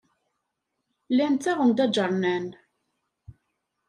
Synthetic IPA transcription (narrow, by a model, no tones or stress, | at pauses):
lænt̪ːæʁənd̪æd͡ʒəɾˤnæn